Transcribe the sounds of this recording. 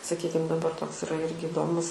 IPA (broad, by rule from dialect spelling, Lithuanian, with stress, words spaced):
sɐˈkʲiːkʲɪm dɐˈbɐr ˈtoːks ɪˈrɐ ˈɪrʲɡʲɪ ɪˈdoːmʊs